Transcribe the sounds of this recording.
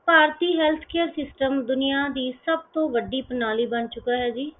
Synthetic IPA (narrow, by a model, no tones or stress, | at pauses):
paːɾt̪iːɦɛːlt̪ʰkʰeːɾsɪsʈəmd̪ʊnɪjaːd̪iːsəb̚t̪õːʋəɖiːpənaːliːbənt͡ʃʊkaːɦɛːd͡ʒiː